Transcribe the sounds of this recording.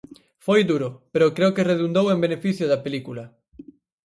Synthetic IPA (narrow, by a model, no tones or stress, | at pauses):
fojd̪uɾʊpeɾʊkɾeʊkereðund̪owembenefiθjʊðɐpelikulɐ